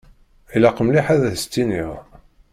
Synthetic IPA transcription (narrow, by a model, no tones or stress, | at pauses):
ilæqəmliħæðæðst̪ːiniʁ